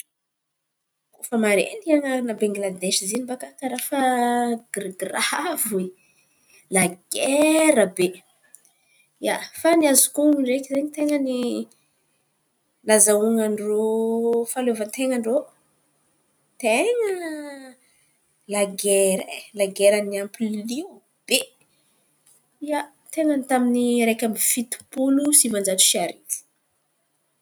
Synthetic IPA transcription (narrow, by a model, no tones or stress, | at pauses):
kufəmaɾḛniaŋanabaŋɡlad̪eʃizinibakakaɾafəɡ̥riɡravwe | laɡeɾəbe | ja̰faniazukuŋuɳɖ͡ʐekizeɲit̪eŋəni | nlazauŋaɳɖ͡ʐofalovənt̪eŋəɳɖ͡ʐo | t̪eŋə | laɡeɾalaɡeɾaniampilliw | b̥e | ia | t̪eŋənit̪aminiɾekʲamifit̪u̥pulusimand͡ʒat͡ʃu̥ʃiaɾit̪i̥